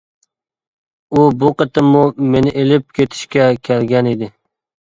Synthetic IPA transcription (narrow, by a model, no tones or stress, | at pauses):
ʊbʊqɨt̪ʰɪmːʊmenɪʔelɪp̚kʲʰet̪ʰɪ̥ʃkʲakʲʰelɡʲaned̪ɪ